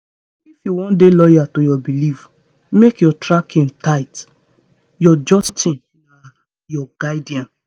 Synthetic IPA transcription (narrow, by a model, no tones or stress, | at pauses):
ifjuwɔ̃ndelɔjatojɔbiliv | mekjɔtɹakʰĩntaɪt | jɔd͡ʒɔstĩn | na | jɔɡaɪdiãn